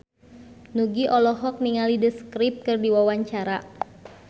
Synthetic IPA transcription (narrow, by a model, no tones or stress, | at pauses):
nuɡiʔɔlɔɦɔk̚niŋalidəskɾip̚t̪̚kɨrdiwawaɲt͡ʃaɾa